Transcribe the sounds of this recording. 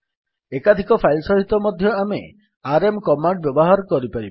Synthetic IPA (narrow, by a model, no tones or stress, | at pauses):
ekad̪ʱikɔpʰajlsɔɦit̪ːɔmɔd̪ʱjɔame | aɾemkɔmaɳɖbjɔbɔɦaɾɔkɔɾipaɾib